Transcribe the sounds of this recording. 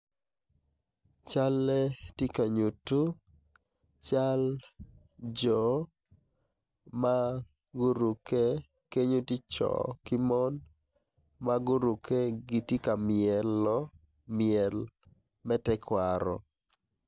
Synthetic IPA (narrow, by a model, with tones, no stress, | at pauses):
t͡ʃa˦lːɛ˦ti˦ka˨ɲu˨tu˦ | t͡ʃa˦l | d͡ʒɔ˨ | ma˦ | ɡu˦ɾu˨ke˦ | ke˦ɲo˦ti˦t͡ʃɔ̰˨kɪ˦mɔ˦n | ma˦ɡu˦ɾu˨kʰe˦ɡɪ˨ti˦ka˨mɪɛ˨lːɔ˦ | mɪɛ˨l | mɛ˦tɛ˦kwa˨ɾɔ̰˨